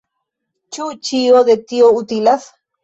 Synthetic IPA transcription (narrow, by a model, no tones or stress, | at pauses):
t͡ʃut͡ʃiod̪et̪iout̪ilas